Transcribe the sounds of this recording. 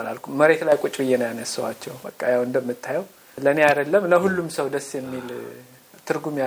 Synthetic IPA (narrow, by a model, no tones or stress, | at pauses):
na̰lkʰumːəɾe̞t̪lajkʷʼut͡ʃʼbɨjɛnəjanəsːəwa̰t͡ʃːɛwbəkʼːəjawɨnd̪əmːɨt̪ʰːajɛw | lənead̪əlːəmləɦulːumsəwd̪əsːjɛmːil | t̪ʰɨɾɡumja